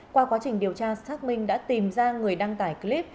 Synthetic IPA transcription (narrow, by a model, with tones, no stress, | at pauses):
kwaː˧kwaː˨˦t͡ɕï˨˩ŋ̟ɗi˨˩əwt͡ɕaː˧saː˦˥k̚mï˧ŋ̟ɗa̰ː˧˥t̪i˨˩mzaː˧ŋɨ˨˩əjɗa˧ŋt̪aː˧˩jkli˦˥p̚